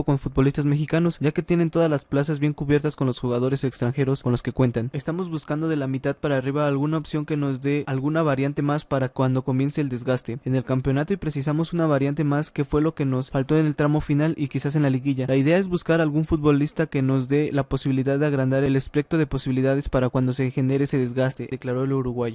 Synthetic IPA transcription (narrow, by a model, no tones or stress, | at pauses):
ko̞nfut̪̚bo̞list̪azme̞xikano̞sɟ͡ʝake̞t̪je̞ne̞nt̪o̞ðazlasplasazβje̞ŋkuβje̞ɾt̪asko̞nlosxuɣaðo̞ɾe̞sekst̪ɾaŋxe̞ɾo̞skonlo̞ske̞kwe̞nt̪anest̪amo̞zβuskand̪oðe̞lamit̪aðpaɾaːriβaːlɣunaopsjo̞ŋke̞no̞zd̪ealɣunaβaɾjant̪e̞maspaɾakwand̪o̞ko̞mje̞nse̞ːld̪e̞zɣast̪e̞ːne̞lkampjo̞nat̪o̞ipɾe̞sisamo̞sunaβaɾjant̪e̞maske̞fwe̞lo̞ke̞no̞sfalt̪o̞ene̞lt̪ɾamo̞finalʔikisas̬e̞nlaliɣiʝalaiðe̞ae̞zβuskaɾalɣunfut̪̚βo̞list̪ake̞no̞zðe̞lapo̞siβiliðaðːeaɣɾand̪aɾe̞lespe̞k̚t̪o̞ðe̞po̞siβiliðað̞e̞spaɾakwand̪o̞se̞xe̞ne̞ɾeese̞ðe̞zɣast̪ed̪eklaɾo̞eluɾuɣwaʝo